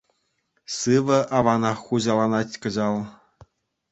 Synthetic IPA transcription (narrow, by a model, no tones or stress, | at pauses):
sɯʋɤ̆ʔɑʋɑnɑχːuʑɑlˠɑnɑtʲkɤ̆ʑɑlˠ